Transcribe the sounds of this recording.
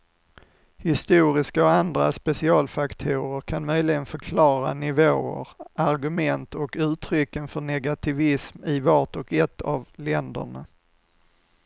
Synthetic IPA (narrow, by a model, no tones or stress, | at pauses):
hɪst̪uːɾɪskaɔand̪ɾa̰spɛsɪɑːlfakt̪ʰuːɾəɾkʰanmœjlɪɡənfœɾkʰlɑːɾa̰nɪvoːə̰ɾaɾɡɵmɛnt̪ɔkʉ̟ːt̪ʰɾʏkːənfœɳɛɡat̪ʰɪvɪsmɪvɑʈɔkɛt̪ʰːavlɛnd̪ə̰ɳa